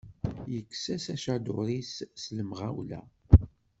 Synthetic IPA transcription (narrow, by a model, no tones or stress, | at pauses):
jəkːsæsæʃæd̪ʊ̰ɾissləmʁæ̰wlæ̰